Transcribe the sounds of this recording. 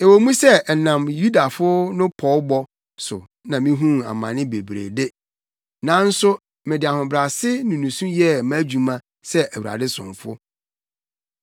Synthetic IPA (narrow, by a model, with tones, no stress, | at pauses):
e˨wo˨mũ˦sɛ˦˨nã˨mju˦da˨fʊ˦nʊ̃˦pʰɔ˨˦bɔ˦ | sʊ˨ | nã˨mĩ˦ɦũ˦a̰˨mã̰˨nɪ̃˦be˨bɾḛ˨de˦ | nã˨˦n̩˦sʊ˦ | mɪ̃˨dɪ˨a˨hʊ̃˨bɾa˨sɪ˦nʊ̃˨nũ˨sũ˦jɛ˦ma˦d͡ʑᶣu˨mã˦ | sɛ˦ʔæ˨wu˨ɾa̰˨dɪ˦sʊ̰̃˨ɱfʊ˦